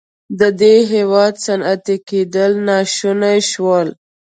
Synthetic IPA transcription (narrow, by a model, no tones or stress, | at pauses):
d̪əd̪eɦewɑd̪sanat̪eked̪əlnɑʃunajʃwəl